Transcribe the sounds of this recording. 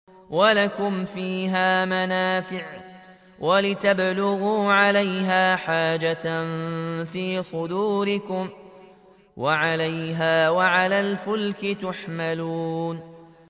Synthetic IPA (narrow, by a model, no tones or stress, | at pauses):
walakʊmfiːɦaːmanaːfɪʕ | walɪt̪ablʊɣuːʕalajɦaːħaːd͡ʒanfiːsˤʊd̪uːɾɪkʊm | waʕalajɦaːwaʕalaːlfʊlkɪt̪ʊħmaluːn